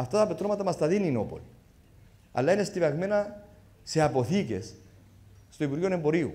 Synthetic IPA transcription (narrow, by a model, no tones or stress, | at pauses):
aft̪aðapet̪ɾomat̪amast̪aðininopo̰li | a̰lːaenest̪iβakmena | seapoθikes | st̪ojβuɾɣjonemboɾiṵ